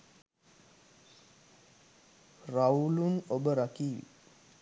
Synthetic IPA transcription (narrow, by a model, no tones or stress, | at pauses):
rawlunobəɾakiːʋḭ